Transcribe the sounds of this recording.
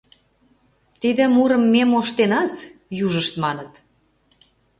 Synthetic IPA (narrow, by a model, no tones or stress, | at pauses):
t̪id̪ə̆muɾə̆mːemoʃt̪enɑsjuʒəʃt̪mɑnət̪